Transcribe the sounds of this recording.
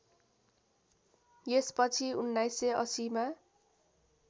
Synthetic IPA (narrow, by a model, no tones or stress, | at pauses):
jespʌt͡sʰiunːajseʌsima